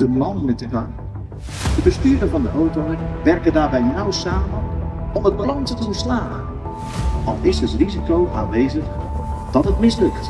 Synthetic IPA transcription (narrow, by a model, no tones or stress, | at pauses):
d̥əblɔndənətəkan | d̥əbəstyːɾəvɔndəʔowtowənʋɛrkədaːɹbɛjnɔwsaːmənɔməbəlɔŋtətəvəɹslaːə | ɔ̰lˠɪsətrizikowʔa̰ːnʋejzəxd̥ɔtətmɪslɵkt